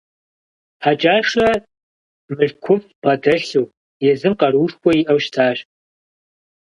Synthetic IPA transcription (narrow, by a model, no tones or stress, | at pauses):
ħad͡ʒʼaːʂɐ | mɨɬkʷʰʊpʼbɐdɐɬuː | jɛzɨmqɐɾuːʂkʷʰɔiʔɐwʃtʰaːɕ